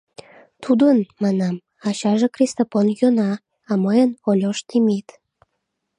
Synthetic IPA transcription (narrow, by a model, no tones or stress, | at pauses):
t̪ʰud̪ənmɑnɑm | ɑɕɑʒekrʲist̪ofonjonɑː | məjənolʲoʃt̪ʰimit̪